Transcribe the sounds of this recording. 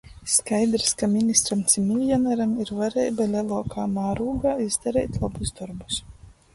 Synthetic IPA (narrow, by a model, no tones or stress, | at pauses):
skajd̪ɾskamʲinʲist̪ɾamt̪sʲimʲilʲjɔnaɾamiɾvaɾɛjbalʲɛlˠɔːkʰaːmaːɾuːɡaːizd̪aɾɛːjt̪lˠabuzd̪ɔɾbus